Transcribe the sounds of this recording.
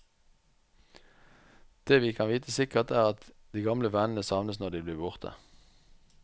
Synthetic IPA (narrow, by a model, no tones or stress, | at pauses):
d̪̥eːʋiːkʰɑnʋiːt̪ʰəsɪkəʁt̪æːʁɑt̪ | d̪̥iːɡɑmləʋænn̩əsɑʋnəsnɔʁd̪iːbliːbʊʁt̪ʰə̰